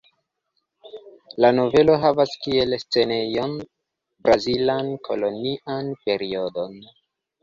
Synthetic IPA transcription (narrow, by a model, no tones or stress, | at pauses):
lano̞ve̞lo̞ɦavaskie̞lst͡se̞ne̞jo̞n | bɾazilankʰo̞̰lo̞niʔanpe̞ɾio̞do̞n